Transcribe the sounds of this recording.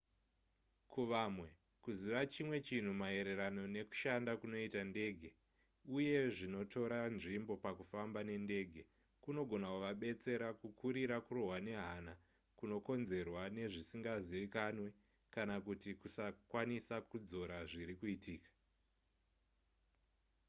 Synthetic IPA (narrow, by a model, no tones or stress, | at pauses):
kuʋamwe̞ | kuziʋat͡ʃimwe̞t͡ʃin̤umae̞ɾe̞ɾano̞ne̞ku̥ʃandakuno̞itande̞ːɡʱe̞ | uje̞ʐino̞tʰo̞ɾanʐimbo̞pakufambane̞nde̞ːɡʱe̞ | kuno̞ɡʱo̞nakuʋaɓe̞t͡se̞ɾakukʰuɾiɾakuroɦwane̞ɦana | kuno̞ko̞nze̞rwane̞ʐisiŋɡaziʋikanwe̞ | kanakutikusakwanisakud͡zo̞ɾaʐiɾikuitiːkḁ